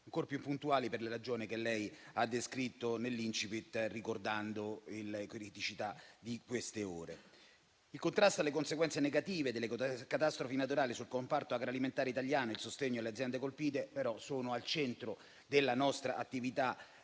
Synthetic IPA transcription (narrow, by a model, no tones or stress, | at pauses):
aŋkoɾpjupːunt̪uaːliperleɾad͡ʒoːnikelːɛjad̪ːeskɾit̪ːonelːint͡ʃipit̪rikord̪and̪oilkɾit̪it͡ʃit̪ad̪ikwest̪eoːɾe | ilkont̪ɾast̪oalːekonseɡwɛnt̪seneɡat̪iːved̪elːekat̪ast̪ɾofinat̪̬uɾaːlisulkompart̪oaɡɾoaliment̪aːɾeit̪aʎjaːnoilsost̪eɲːoalːead̪zjɛnd̪ekolpiːt̪epeɾɔsoːnoalt͡ʃɛnt̪ɾo | d̪elːanɔst̪ɾaʔat̪ːivit̪a